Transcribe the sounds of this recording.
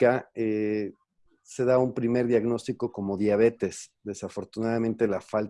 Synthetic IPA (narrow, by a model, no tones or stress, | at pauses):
ae | se̞ðaumpɾime̞ɾðjaɣno̞st̪iko̞ko̞mo̞ðjaβ̞e̞t̪e̞sðe̞safo̞ɾt̪unaðamẽ̞nt̪e̞lafal